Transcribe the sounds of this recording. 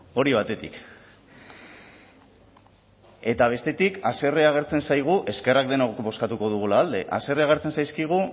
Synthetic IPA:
o̞ɾiβ̞at̪e̞t̪ḭk | e̞t̪aβ̞e̞st̪e̞t̪ikase̞reaɣ̞e̞ɾt͡se̞nsajɣ̞uʔe̞ske̞rak̚d̪enaɣokbo̞skat̪uko̞ð̞uɣ̞ulaːld̪e̞̰ʔa̰se̞reaɣ̞eɾt͡se̞nsajskiɣ̞u

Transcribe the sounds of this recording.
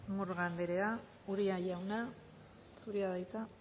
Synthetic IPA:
muɾɣand̪eɾea | uɾiajawna | suɾiaðajt͡sa

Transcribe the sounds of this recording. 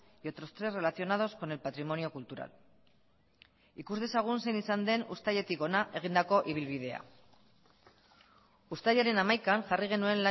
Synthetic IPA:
jo̞t̪ɾo̞st̪ɾe̞sre̞laθio̞nað̞o̞sko̞ne̞lpat̪ɾimo̞nio̞kult̪uɾa̰l | ikuzðe̞saɣ̞unse̞jnisand̪e̞nṵst̪aʎe̞t̪iko̞naʔe̞ɣ̞ind̪ako̞ʔiβ̞ilβiðe̞a̰ | ust̪aʎaɾe̞namajkanʝariɣ̞e̞nue̞nla

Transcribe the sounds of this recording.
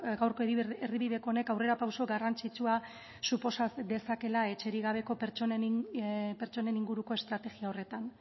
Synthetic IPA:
ɡawɾko̞eeriβiðe̞ko̞ːnekawre̞ɾapawso̞ɡarant͡sit͡sua | supo̞sad̪e̞sake̞lae̞t͡ʃe̞ɾiɣaβ̞e̞ko̞peɾt͡ʃon | pe̞ɾt͡ʃo̞ne̞niŋɡuɾuko̞e̞st̪ɾat̪e̞ɣiao̞re̞t̪an

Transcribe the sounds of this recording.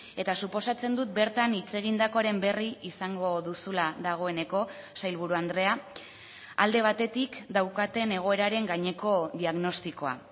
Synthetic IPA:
e̞t̪asupo̞sat͡se̞nd̪ut̪̚be̞ɾt̪anit͡se̞ɣ̞ind̪ako̞aɾe̞mbe̞riisaŋɡo̞ðusulaðaɣ̞o̞e̞ne̞ko̞ | sajlβ̞uɾuand̪ɾe̞a | a̰ld̪e̞β̞at̪e̞t̪ikd̪awkat̪e̞ne̞ɣ̞o̞e̞ɾaɾe̞ŋɡaɲe̞ko̞ðiaɣno̞st̪iko̞a̰

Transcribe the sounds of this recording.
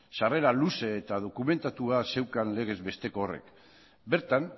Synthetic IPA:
sare̞ɾaluse̞ːt̪að̞o̞kume̞nt̪at̪uase̞wkanle̞ɣ̞e̞zβe̞st̪e̞ko̞ːre̞̰k | be̞ɾt̪an

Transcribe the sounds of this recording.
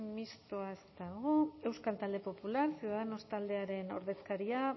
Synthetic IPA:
mist̪oae̞st̪aɣ̞ue̞wskalt̪ald̪e̞po̞pulaɾsiuðaðeno̞st̪ald̪e̞aɾe̞no̞̰ɾðe̞skaɾia

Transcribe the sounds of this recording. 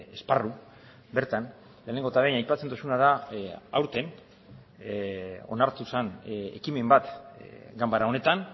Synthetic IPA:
esparu | be̞ɾt̪an | leːneŋɡo̞t̪aβejnajpat͡sent̪osunaðaawɾt̪e̞n | o̞̰naɾt̪usane̞̰kime̞mbat̪ɡambaɾaone̞t̪an

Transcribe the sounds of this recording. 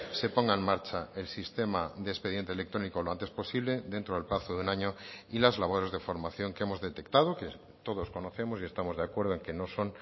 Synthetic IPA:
se̞po̞ŋɡaenmaɾt͡ʃae̞lsist̪e̞maðespe̞ð̞jent̪ele̞k̚t̪ɾo̞nikoloant̪e̞spo̞siβ̞le̞ðe̞nt̪ɾoelplaθoðeunaɲoilazlaβo̞ɾe̞zðefo̞ɾmaθjo̞ŋkeemo̞zðe̞t̪e̞kt̪að̞oke | t̪o̞ðosko̞no̞θe̞mosie̞st̪amo̞zðeakwe̞ɾð̞oeŋke̞no̞so̞n

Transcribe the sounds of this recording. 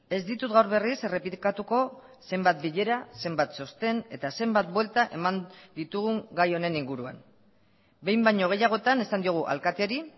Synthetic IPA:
e̞zd̪it̪ut̪ɣawɾβe̞rise̞re̞pikat̪uko̞ | se̞mbat̪̚biʎe̞ɾase̞mbat̪so̞st̪e̞ne̞t̪ase̞mbat̪̚bwe̞lt̪aʔe̞mand̪it̪uɣ̞uŋɡajo̞ne̞niŋɡuɾua̰n | be̞jmbajɲo̞ɣ̞e̞jaɣ̞o̞et̪ane̞sand̪ioɣ̞uʔa̰lkat̪eɾi

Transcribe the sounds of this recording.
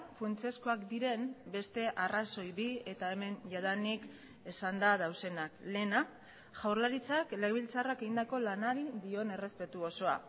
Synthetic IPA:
funt͡sieskoakd̪iɾe̞mbe̞st̪e̞ʔaraso̞jβie̞t̪ae̞me̞nʝað̞anik | e̞sand̪að̞awse̞nakle̞na | ʝawɾlaɾit͡sakle̞ɣβilt͡sarake̞ɣind̪ako̞lanaɾiðio̞ne̞re̞spe̞t̪uoso̞a̰

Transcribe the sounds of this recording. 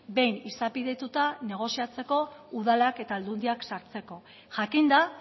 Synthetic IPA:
be̞jnisapiðe̞t̪ut̪ane̞ɣ̞o̞siat͡se̞ko̞uð̞alake̞t̪aːld̪und̪iaksaɾt͡se̞ko̞ | ʝakind̪a

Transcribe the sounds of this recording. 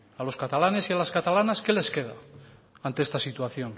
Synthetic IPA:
alo̞skat̪alanesialaskat̪alanaske̞le̞ske̞ða̰ | ant̪eest̪asit̪waθjo̞n

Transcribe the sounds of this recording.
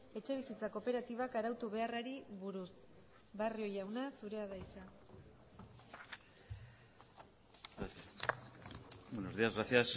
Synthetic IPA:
e̞t͡ʃe̞β̞isit͡sako̞pe̞ɾat̪iβakaɾawt̪uβe̞araɾiβuɾus | bario̞jawnasuɾe̞aðajt͡sa | onoɾðiazɣɾasias

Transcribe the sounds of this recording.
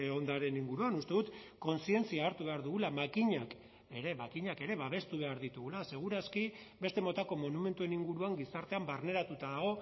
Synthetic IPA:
o̞nd̪aɾe̞niŋɡuɾuanust̪e̞ðut̪ko̞nsie̞nt͡siaːɾt̪uβe̞aɾðuɣulamakiɲak | e̞ɾe̞makiɲake̞ɾe̞βaβ̞e̞st̪uβ̞e̞aɾðit̪uɣulase̞ɣ̞uɾaski | be̞st̪e̞mo̞t̪ako̞mo̞nume̞nt̪ue̞niŋɡuɾuaŋɡisaɾt̪eambarne̞ɾat̪ut̪aðaɣ̞o̞

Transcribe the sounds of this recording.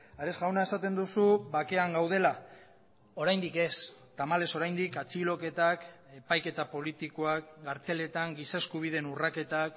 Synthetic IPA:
aɾeszɡawnae̞sat̪e̞nd̪usuβake̞aŋɡawð̞e̞la | o̞ɾajnd̪ike̞st̪amale̞so̞ɾajnd̪ikat͡silo̞ke̞t̪ak | e̞pajke̞t̪apo̞lit̪iko̞akɡaɾt͡se̞le̞t̪aŋɡisaeskuβ̞ið̞e̞nurake̞t̪ak

